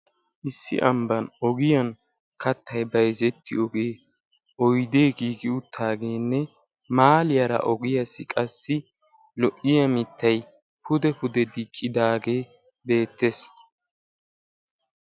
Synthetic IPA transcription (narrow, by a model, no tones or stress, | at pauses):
ʔɪsːɪ̰ʔɐmbɐnɔɡɪjɐn | kɐt̪ʰːɐjbɐjzɛt̪ːɪɔɡeː | ʔɔjd̪e̞ːɡiːɡɪʊt̪ʰːaːɡe̞ːnːɛ | maːlɪjɐɾɐ̰ʔɔɡɪjɐsɪkʼɐsːɪ | lɔʔɪjɐmɪt̪ʰːɐj | pʊd̪ɛpʊd̪ɛd̪ɪkʼːɪd̪aːɡeː | be̞ːt̪ːe̞s